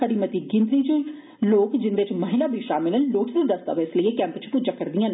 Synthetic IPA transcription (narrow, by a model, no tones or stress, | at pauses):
əɽiːmət̪iːɡɪ̃nd̪ɾiːt͡ʃ | loːkd͡ʒɪnd̪eːt͡ʃməɦɪlaːbʱiːʃaːmɪlənloːʈʰd̪iːd̪əst̪a̰ːʋɛɪsləiːeːkɛ̃ːmpt͡ʃpud͡ʒãːkəɾd̪ijãːn